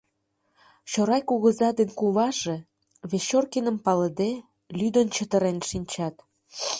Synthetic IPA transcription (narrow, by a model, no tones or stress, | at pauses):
t͡ɕoɾɑjkuɣə̆zɑd̪enkuβɑʒe | βeɕorkinəmpɑləd̪e | lyd̪ənt͡ɕət̪ə̆ɾenʃinʲt͡ɕɑt̪